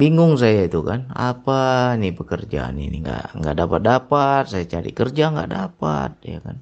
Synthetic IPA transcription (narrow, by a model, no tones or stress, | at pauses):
biŋʊŋs̬ajait̪ukana̰painipəkərd͡ʒa̰nḭnḭŋɡa̰ʔŋɡa̰ʔdapat̪̚dapat̪̚sajat͡ʃaɾḭkərd͡ʒaŋɡa̰ʔdapa̰t̪̚ja̰kan